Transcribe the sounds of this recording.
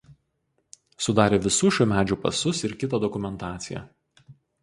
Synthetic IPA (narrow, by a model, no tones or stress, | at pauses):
sʊd̪ɑːɾʲeːʋʲɪsuːʃʲuːmʲæːd͡ʒʲuːpɐ̰sʊsɪɾkʲɪt̪ɑd̪ɔkʊmʲɛnt̪ɑːt̪sʲɪjɛ̰